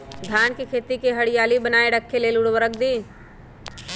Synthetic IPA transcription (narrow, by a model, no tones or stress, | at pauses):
d̪ʱjaːnkikʰeːt̪ikeɦɐɽɪjaːlibənaːeɖəkʰːeleːlʊɽwəɾəkʰd̪iː